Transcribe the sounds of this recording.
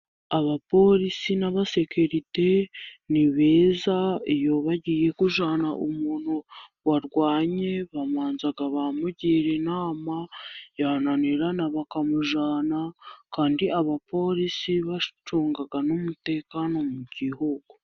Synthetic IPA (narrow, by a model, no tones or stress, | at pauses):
aβapo̞ɾisinaβase̞kuɾite̞niβe̞ːzaijo̞βaɟiːje̞kuʒaːna̰ʔumuːn̥huwaɾɡwaːɲe̞βamaːnzaɡaβamuɟiɾe̞naːmajananiɾanaβakamuʒaːnakaːndiaβapo̞ɾisiβat͡ʃuːŋɡaɡanumute̞ːkano̞muɟ̥ihuɡo